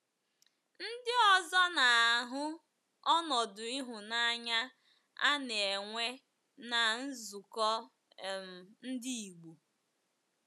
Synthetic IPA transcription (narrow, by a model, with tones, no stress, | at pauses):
n̩˦dɪ˦ɔ˨zɔ˦na˨a˨ɦʊ˦ | ɔ˦nɔ˨dʊ˨i˦ɦʊ˨na˦ɲa˦ | a̰˦n˨e˨ŋʷe˦ | na˨n̩˦zʊ˨kɔ˦ | m˨n̩˦dɪ˦i˨ɡ͡bu˨